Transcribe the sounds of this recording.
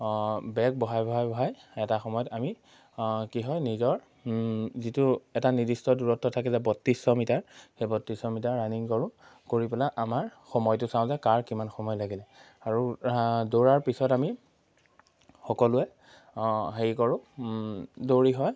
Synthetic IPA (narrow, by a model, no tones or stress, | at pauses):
bɛk̚bɔɦajbɔɦajbɔɦajɛtaxɔmɔjɔtami | kiɦɔjnizɔɹ | zitʊɛtanidistɔduɹɔtʰːɔtʰak̬ɛzɛbɔtːisɔmitaɹxejbɔtːisɔmitaɹːaniŋkɔɹʊ̃ | koɹipɛlaʔamaɹxɔmɔjtʊsaʊ̃zɛkaɹkimanxɔmɔjlaɡilɛ | aɹudoɹaɹpisɔtami | xɔkɔlʊɛ | ɦejkɔɹʊ̃ | doɹiɦɔj